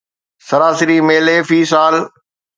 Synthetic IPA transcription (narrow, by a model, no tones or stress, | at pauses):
sɐɾaːsɪɾimeːleːfiːsaːl